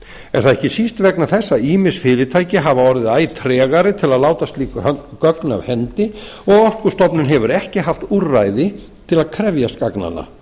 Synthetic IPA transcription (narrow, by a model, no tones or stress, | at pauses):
ɛɾ̥θaðɛhcɪsist̪vɛknaθɛsːaiːmɪsfɪːɾɪt̪ʰaːjcɪɦavaɔɾvɪðaːjt̪ʰɾɛːɣaɾɪt̪ʰɪlaðlaːwt̪ast̪liːkkœkna̰vhɛnt̪ɪ | ɔɣɔhtkʏɾ̥st̪ɔpnɪnɦɛvʏɾɛhcɪɦaft̪urajðɪ | t̪ʰɪlaðkʰɾɛvjaskakna̰nːa̰